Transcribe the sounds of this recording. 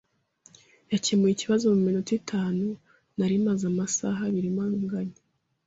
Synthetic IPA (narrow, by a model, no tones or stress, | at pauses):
jacemujiciβazomuminutitʰaːnu | naɾimazamasa̰ɦaβiɾimaŋɡaɲe